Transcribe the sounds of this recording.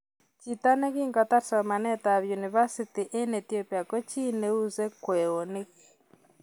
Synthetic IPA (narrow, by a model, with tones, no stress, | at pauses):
t͡ʃita˦ne˦kiː˦ŋɡata˦sɔma˨nɛ˦taβjuniβa˦sitiʔe˦netiopi˨a˨ko˦t͡ʃi˦ne˦uze˦kweː˨one˦k